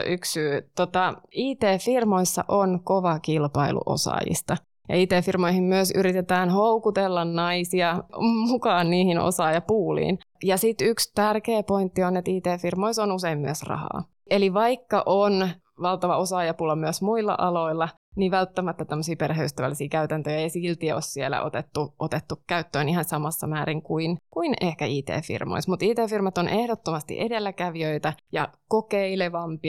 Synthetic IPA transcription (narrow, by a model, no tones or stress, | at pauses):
ʔyksyːt̪ot̪ɑiːt̪eːfirmoisːɑ̰ʔonkoʋɑkilpɑilṵʔo̰sɑ̰jḭst̪ɑ | jɑ̰iːt̪eːfirmoihimmyøsyɾit̪et̪æːnhoukut̪elːɑnnɑisiɑmukɑːnniːhino̰sɑːjɑpuːlḭːnjɑsit̪ykst̪ærkeːpo̞int̪ːionet̪iːt̪eːfirmoisonuseimmyøsrɑ̰hɑ̰ː | eliʋɑikːɑʔon | ʋɑlt̪ɑʋɑosɑːjɑpulɑmyəsmuilːɑ̰ʔɑlo̞ilːɑ | niʋælt̪ːæmæt̪ːæt̪æmːəsiːperheyst̪æʋæ̰lːisiːkæyt̪ænt̪øjɑejisilt̪iɛossielæ̰ʔo̰t̪et̪ːuʔot̪et̪ːukkæyt̪ːøːnihɑnsɑmɑsːɑ̰mæːɾiŋkuinkuinehkæiːt̪ḛːfḭrmo̰ismut̪iːt̪eːfirmɑt̪onʔehɾot̪ːomɑst̪ḭʔedelːækæʋiøit̪æjɑ̰kokeileʋɑmpi